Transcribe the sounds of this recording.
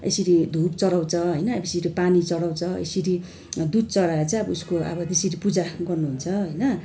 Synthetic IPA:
ḛsiɾid̪ʱup̚t͡sʌɽaw̃t͡sʰʌɦʌjnʌbesiɾipanit͡sʌɽaw̃t͡sʰʌḛsiɾi | d̪ud̪̚t͡sʌɽaet͡sãj̃ʌbʌuskoʌ̰bʌt̪esiɾipud͡zaɡʌrnuɦunt͡sʰʌɦʌjnʌ

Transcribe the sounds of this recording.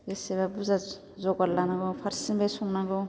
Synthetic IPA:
ɡeseβabuza | zɔɡaɾlanaɡɯpʰaɾsinbajsɔŋnaɡɔ

